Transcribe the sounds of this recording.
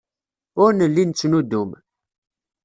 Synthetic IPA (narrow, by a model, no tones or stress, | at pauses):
ʊɾnəlːint͡sːnud̪um